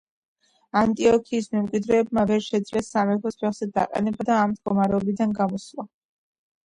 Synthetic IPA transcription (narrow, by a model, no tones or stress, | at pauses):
ant̪ʼiɔkʰiːsmɛmkʼwid̪ɾɛːb̚mavɛɾʃɛd̪zlɛsamɛɾt̪ʰɔspʰɛχz̥ɛd̪a̰qʼɛ̰nɛbad̪aːmd̪ɡɔmaɾɛɔbid̪anɡamɔslˠa